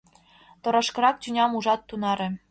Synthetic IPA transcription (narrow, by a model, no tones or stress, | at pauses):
t̪ŏɾɑʃkɤ̆ɾɑk̚t͡ɕʲynʲɑmuʐɑt̪ːunɑɾʲɘ̆